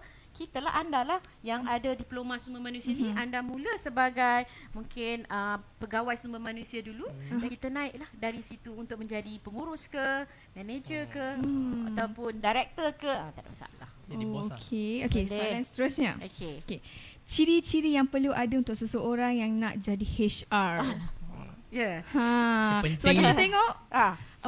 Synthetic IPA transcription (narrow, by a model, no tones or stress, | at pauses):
kit̪əla̰ʔandalahjaŋadədiplomãsumbəmanũsianiʔandamũləsəbaɡajmuŋkɪnəpəɡawajsumbəmanũsiadulujakit̪ənãɪʔlahdaɾisit̪uːnt̪ʊk̚mə̃ɲd͡ʒadipəŋuɾʊskə | mɛ̃ned͡ʒəkəaawpʊndajɾɛk̚t̪əkəãt̪ad̰msa̰la̰hookʰeokeslanst̪əɾusɲaokeoke | t͡ʃiɾit͡ʃiɾijaŋpərluʔadaunt̪ʊk̚səsəoɾaŋjaŋnaʔd͡ʒadiheʃar | jahã | soakit̪at̪eŋɔʔa